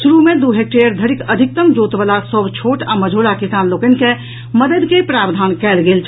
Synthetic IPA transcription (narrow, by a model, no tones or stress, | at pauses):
suɾumed̪uɦek̚ʈejəɾd̪ʱəɾikəd̪ʱik̚t̪əmd͡ʒot̪bəlasəbt͡ʃʰoʈaməd͡ʒʱoɽakisanlokən̆ke | məd̪əd̪kepɾaːbd̪ʱaːnkɛːlɡelt͡ʃʰ